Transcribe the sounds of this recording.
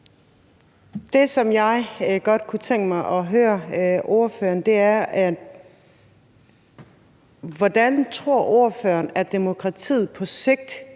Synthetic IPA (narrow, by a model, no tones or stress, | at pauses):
d̥e̝sɒ̽mjɑ̈ɪɡ̥ɒ̽d̥kʰut͡sʰeŋ̰ɡ̥əmɑ̈ɪʔɒ̽ɦøːɐʔo̝ɐfø̰ːɐnd̥e̝æɐæ̥ | ʋɒd̥ænt͡sʰʁo̝ɐ̰ʔo̝ːɐfø̰ɐnæd̥e̝mo̝kʰʁɑ̈t͡sʰḭːð̩ˠpʰɒ̽se̝ɡ̥̚d̥